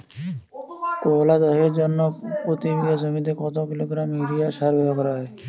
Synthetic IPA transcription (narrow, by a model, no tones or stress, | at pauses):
kolad̪ɔɦeɾd͡ʑonːopɾot̪ibiɡad͡ʑomid̪ekɔt̪okiloɡɾamiɾijaʃaɾbɛbakɔɾaɦɔe